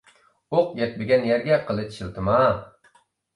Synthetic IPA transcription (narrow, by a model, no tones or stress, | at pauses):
oqjʲɛt̪̚bɪɡʲɛnjɛɾɡʲɛqʰəlˠɨʃʰilˠt̪ʰɨmɑ